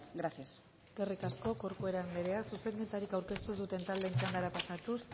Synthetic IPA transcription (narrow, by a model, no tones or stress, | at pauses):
ɡɾasjas | ɡ̥erikasko̞ko̞ɾkoe̞ɾand̪eɾe̞asuse̞ŋɡet̪aɾikawɾke̞st̪uzd̪ut̪e̞nt̪ald̪ent͡ʃaŋɡaɾapasat̪us